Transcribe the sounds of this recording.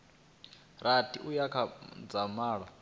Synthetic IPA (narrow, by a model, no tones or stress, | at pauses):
ɾatʰiʔujakʰad͡zamaːɺɔ